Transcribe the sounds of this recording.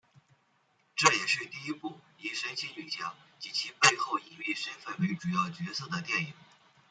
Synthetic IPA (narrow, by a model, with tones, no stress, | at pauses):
ʈ͡ʂɤ˥˩jɛ˨˩ʂɻ̩˥˧t̪i˥˩i˥pu˥˩ | i˨˩ʂə˧˥nɕʰi˧˥ny˨˩t͡ɕʰjɑ˧˥˦ŋt͡ɕi˨˥˩t͡ɕʰi˧˥pe˥˧ɪxo˥˩ʊi˧˥li˥˩ʂə˥nfə˥˩n˥˧˥ʈ͡ʂu˨˩jɑ˥˩ʊt͡ɕɥɛ˧˥sɤ˥˩d̪ə˩t̪jɛ˥˩ni˨˩˦ŋ